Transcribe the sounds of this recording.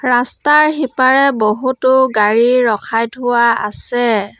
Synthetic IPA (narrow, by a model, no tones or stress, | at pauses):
ɹastaɹɦipaɹɛboɦutʊɡaɹiɹɔkʰajtʰʊwaa̰sɛ